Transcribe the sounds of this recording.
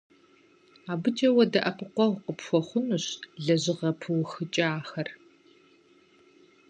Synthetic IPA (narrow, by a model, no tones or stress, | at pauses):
aːbɨt͡ʃʼɐwɐdɐʔɐpʰʼɨqʷɔʁʷqəpxʷɔχʷʊnuɕɮɐʑɪʁɐpʰɨwxɨt͡ʃʼaːxɐr